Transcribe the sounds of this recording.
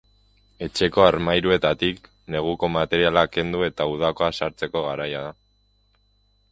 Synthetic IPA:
e̞t͡ʃe̞ko̞aɾmajɾue̞t̪at̪ik | ne̞ɣ̞uko̞mat̪e̞ɾialake̞nd̪ue̞t̪auð̞ako̞asaɾt͡se̞ko̞ɣ̞aɾajaða

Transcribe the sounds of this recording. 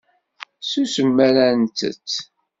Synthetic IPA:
susəmːæɾænt̪ə̰t͡sː

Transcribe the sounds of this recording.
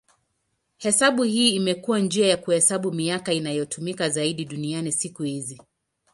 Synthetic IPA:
hɛsaɓuhiːmɛkuwand͡ʒiajakuhɛsaɓumiakainajɔtʰumikazaiɗiɗunianisikuhizi

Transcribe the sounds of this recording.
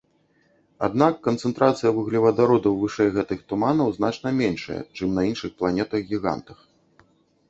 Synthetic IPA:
a̰d̪nakːɐnt̪sɛnt̪ɾat̪sɨjɐvɨɣlʲivɐd̪aɾɔd̪ɐwvɨʂɛjɣɛt̪ɨxt̪umanɐwznat͡ʂnɐmʲɛnʂɐ̰jɛ̰t͡ʂɨmnɐinʂɨxplˠanʲɛt̪ɐɣɡʲiɣa̰nt̪ɐx

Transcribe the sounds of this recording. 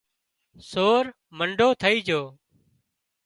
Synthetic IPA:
soːɾ | məɳɖʱoːt̪ʰəiːd͡ʒoː

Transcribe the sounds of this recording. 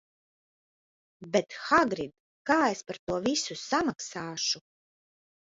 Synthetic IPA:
bet̪xaɡɾid̪ | kaːespaɾt̪uɔvisusamaksaːʃu

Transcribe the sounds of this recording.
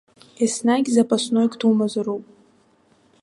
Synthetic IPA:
esnaɡʲzapʼasnojkʼtʰumazɨɾowpʼ

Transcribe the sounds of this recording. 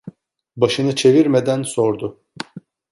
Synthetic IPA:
baʃɯnɯt͡ʃʰe̞viɾmed̪ænso̞ɾd̪ʊ

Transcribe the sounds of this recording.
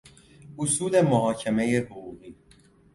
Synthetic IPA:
ʔosuːle̞moɦɒːcʰeme̞jehoɣuːɣiː

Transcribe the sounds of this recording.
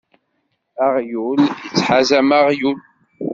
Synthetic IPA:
æʁjuljət͡sːħazæmaʁjul

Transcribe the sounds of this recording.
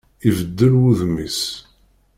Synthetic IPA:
ivəd̪ːəɾwuðmis

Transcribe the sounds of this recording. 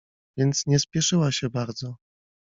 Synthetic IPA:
vʲjɛnt̪sɲɛspʲjɛʂɘwaɕɛbaɾd̪zɔ

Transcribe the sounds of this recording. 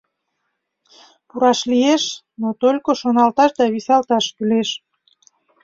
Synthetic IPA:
puɾɑʃlieʃ | not̪olʲkoʃonɑlt̪ɑʃd̪ɑβisɑlt̪ɑʃkyleʃ

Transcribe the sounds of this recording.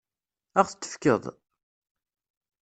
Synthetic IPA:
æʁθə̥t͡s̪ːə̥fkə̰ðˤ

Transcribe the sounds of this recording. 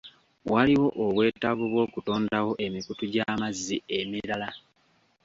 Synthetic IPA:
waliwo̞ʔoβwe̞ːtaβuβwo̞ːkuto̞ːndawo̞ʔe̞mikutuɟaːmazːiemiɾala

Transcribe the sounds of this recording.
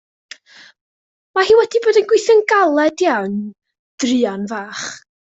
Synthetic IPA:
mahiːwɛdiboːdənɡwɪjθɪnɡalˠɛdjawn | d̥rɨanvaːχ

